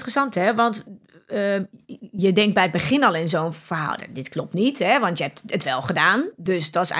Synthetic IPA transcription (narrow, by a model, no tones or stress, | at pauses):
ərəsɑnthɛʋɔnt | jədɛŋk̚bɛjət̚bəxɪnɔlˠɪnzoːnfərha̰də̰dɪtklop̚tnithɛʋɔntjəɦɛp̚tətʋɛlˠxədaːndøsdɔs